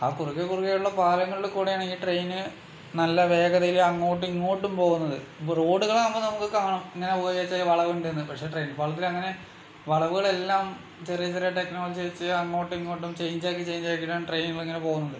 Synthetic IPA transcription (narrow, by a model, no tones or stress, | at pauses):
a̰ːkurukːekːurukːeːjuɭːɐpaːlɐŋːɐɭilkuːɽejaːɳɨiːʈrejnɨ | nɐlːɐʋe̞ːɡɐðɐjilɐŋːoːʈ̬ːiŋːoːʈːumpo̞ːɣunːɐðɨro̞ːɽuɣɐɭnɐmːɐnɐmukːɨkːɐɐɳɐmiŋːɐne̞poːjaːt͡ɕːajʋɐɭɐʋuɳɖenːɐðɨpɐʈʂe̞ʈrejnpɐɭɐt̪ːilɐŋːɐne̞ | ʋɐɭɐʋuɣɐɭelːaːm | t͡ɕirijɐt͡ɕirijaʈe̞knoːlɐd͡ʑit͡ɕːɐɐŋːoːʈːiŋːoːʈːumt͡ɕe̞jɲd͡ʑaːkːit͡ɕe̞jɲd͡ʑaːkːiʈːaːɳʈrejnuɣɐɭeŋːɐnepo̞ːɣunːɐðɨ